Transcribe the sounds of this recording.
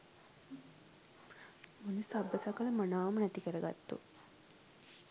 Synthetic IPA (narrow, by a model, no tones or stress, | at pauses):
munusabːəsakɐlɐmɐnaːumɐnæt̪ikəɾəɡa̰t̪ːṵ